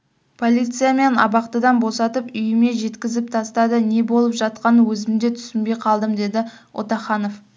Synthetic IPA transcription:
pʰo̞lʲijt̪sɨjame̞nɑ̰bɑqt̪əd̪ɑnbo̞sɑt̪əpʏjɪme̞ʒe̞t̪kʲɪzɪp̚t̪ʰɑst̪ɑd̪əne̞bo̞lˠəpʒɑt̪̚qɑnəwɵzɪmd̪e̞t̪ʰʏ̥sɪnbejqʰɑlˠd̪əmd̪e̞d̪ɪ | wʔo̞̰t̪ɑχɑno̞f

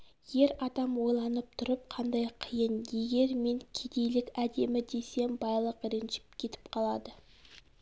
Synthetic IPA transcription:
je̞ɾɑd̪ɑmwo̞jlˠɑnəp̚t̪ʰʊɾəp̚qʰɑnd̪ɑjqʰəjənje̞ɡʲe̞ɾme̞ŋkʲʰed̪e̞jlɪkʲæd̪e̞mɪd̪e̞se̞mbɑjlˠəqɾɪnʒɪ̥p̚kʲʰe̞t̪ɪ̥pqʰɑlˠɑd̪ə

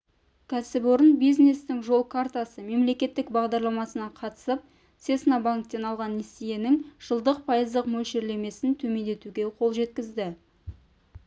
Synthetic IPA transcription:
kʲʰæsɪboɾənbijzne̞st̪ɪŋʒo̞lˠkʰart̪asəme̞mle̞kʲe̞t̪ːɪkbɑʁd̪ɑɾlˠɑmɑsənɑqʰɑt̪ə̥səp̚ | se̞snabaŋk̚t̪ːe̞nɑlˠʁɑnesije̞nɪŋʒ̥əlˠd̪əq̚pʰɑjəzd̪əqmɵlʃe̞ɾle̞me̞sɪnt̪ʰɵme̞nd̪e̞t̪uɡʲe̞qʰo̞lˠʒe̞t̪̚kʲɪzd̪ɪ

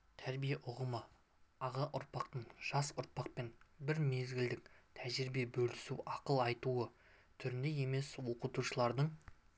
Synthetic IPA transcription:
t̪ʰæɾbijeʔʊʁəmə | ɑʁɑʔʊɾpɑqt̪əɴʒ̥ɑsʊɾ̚pɑq̚pe̞nbɪɾme̞zɡʲɪld̪ɪk̚t̪ʰæʒɪɾɪbe̞bɵlɪsuʔɑqəlˠɑjt̪uə | t̪ʰʏɾɪnd̪e̞je̞me̞swo̞qət̪uʃəlˠɑɾd̪əɴ

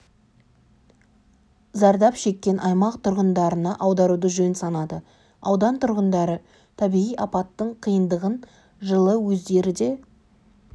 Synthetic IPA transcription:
zɑɾd̪ɑpʃe̞kʲːe̞nʔɑjmɑqt̪ʰʊɾʁənd̪ɑɾənɑʔɑwd̪ɑɾud̪əʒɵnsɑnɑd̪ə | ɑwd̪ɑnt̪ʰʊɾʁənd̪ɑɾə | t̪ʰæbiʁijɑpɑt̪ːəɴqʰijənd̪əʁən | ʒəlˠəwɵzd̪e̞ɾɪd̪e̞

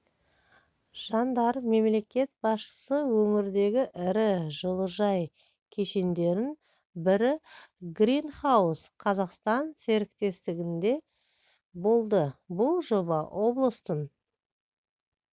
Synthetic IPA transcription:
ʒ̥ɑnd̪ɑɾme̞mle̞kʲe̞t̪̚bɑsʃə̥səwɵmɪɾd̪e̞ɡʲɪʔɪɾɪʒəlˠəʒɑj | kʲʰe̞ʃe̞nd̪e̞ɾɪn | bɪɾɪɡɾinχɑwusqʰɑzɑqst̪ɑnse̞ɾɪkt̪e̞st̪ɪɡʲɪnd̪e̞ | bo̞lˠd̪əbʊlˠʒo̞bɑwʔo̞blˠəst̪ən

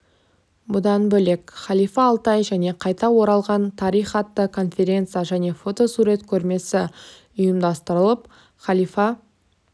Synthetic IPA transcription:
bʊd̪ɑnbɵle̞kχɑlˠijfɑːlˠt̪ɑjʒæne̞qʰɑjt̪ɑwo̞ɾɑlˠʁɑnt̪ʰɑɾijχɑt̪ːəkʰo̞nfʲe̞ɾʲe̞nt̪sɨjaʒæne̞fo̞t̪o̞suɾe̞t̪kʲʰɵɾme̞sɪ | ʊjəmd̪ɑst̪əɾəlˠəp | χɑlˠijfɑ

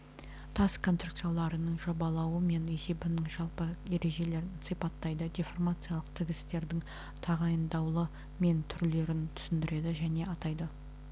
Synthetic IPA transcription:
t̪ʰɑskʰo̞nst̪ruk̚t̪sɨjalˠɑɾənəɴʒo̞bɑlˠɑwəme̞ne̞se̞bɪnɪŋʒɑlˠpəje̞ɾe̞ʒe̞le̞ɾɪnsipɑt̪ːɑjd̪əd̪ʲeformat̪sɨjalˠəqt̪ʰɪɡʲɪst̪e̞ɾd̪ɪŋ | t̪ʰɑʁɑjənd̪ɑwlˠə | me̞nt̪ʰʏɾle̞ɾɪnt̪ʰʏ̥sɪnd̪ɪɾe̞d̪ɪʒæne̞ʔɑt̪ɑjd̪ə

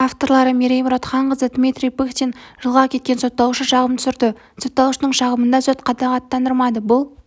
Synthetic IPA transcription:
aft̪o̞ɾlˠɑɾəmʲeɾejmʊɾɑt̪χɑɴʁəzəd̪mit̪ɾijpekt̪enʒ̥əlˠʁɑkʲʰe̞t̪̚kʲe̞nso̞t̪ːɑlˠuʃəʃɑʁəmt̪ʰʏ̥sɪɾd̪ɪ | so̞t̪ːɑlˠuʃənəɴʃɑʁəmənd̪ɑsot̪qʰɑd̪ɑʁɑt̪ʰːɑnd̪əɾmɑd̪əbʊlˠ

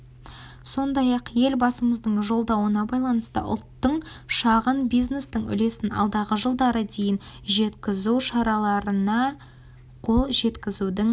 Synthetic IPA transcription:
so̞nd̪ɑjɑqje̞lbɑsəməzd̪əɴʒo̞lˠd̪ɑwənɑbɑjlˠɑnəst̪ə̰ʔʊ̰lˠt̪ːəɴʃɑʁənbijzne̞st̪əɴʏ̰le̞sɪnɑ̰lˠd̪ɑʁəʒəlˠd̪ɑɾəd̪e̞jɪnʒe̞t̪kʲɪzuwʃɑɾɑlˠɑɾənɑ | qʰo̞lˠʒe̞t̪kʲɪzud̪ɪŋ

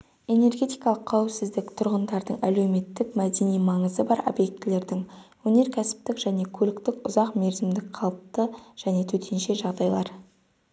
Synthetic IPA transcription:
e̞ne̞rɡʲe̞t̪ijkɑlˠəqʰːɑwɪpsɪzd̪ɪkt̪ʰʊɾʁənd̪ɑɾd̪əɴʔæle̞wme̞t̪ːɪkmæd̪e̞nijmɑɴəzəbɑɾo̰bje̞k̚t̪ɪle̞ɾd̪ɪŋwɵne̞ɾkʲʰæsɪ̥p̚t̪ɪkʒ̥æne̞kʲʰɵlɪkt̪ɪkʊzɑqme̞ɾzɪmd̪ɪk̚qʰɑlˠəp̚t̪əʒ̥æne̞t̪ʰɵt̪ʰe̞nʃe̞ʒɑʁd̪ɑjlˠɑɾ

